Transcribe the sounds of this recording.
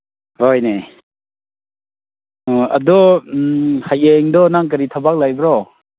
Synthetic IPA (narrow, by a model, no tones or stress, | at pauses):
hɔjne | a̰dɔ | hajeŋdɔnaŋk̬əɾitʰabak̚lajbɾɔ